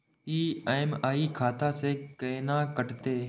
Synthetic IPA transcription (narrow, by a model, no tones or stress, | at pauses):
iːaːɪmaːikʰaːt̪asekeːnãːkəʈt̪eː